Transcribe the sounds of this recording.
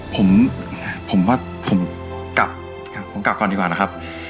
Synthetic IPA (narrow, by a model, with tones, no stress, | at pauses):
pʰo˨˩˦m | pʰo˩˦mwaː˥˩ | pʰo˨˩˦m | ka˨˩p̚ | a˨˩pʰo˩˦mka˨˩p̚kɔː˧˩ndiː˨˧kwaː˨˩na˦˥kʰa˦˥p̚